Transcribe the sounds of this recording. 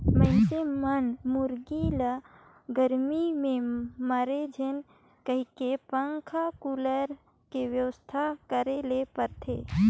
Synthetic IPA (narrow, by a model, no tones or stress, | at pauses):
mə̃ɪ̃semənmʊɾɡilə | ɡəɾmimẽmaɾed͡ʒʱen | kəɦikepəŋkʰakuləɾ | keʋjəwəst̪ʰakəɾelepəɾt̪ʰḛː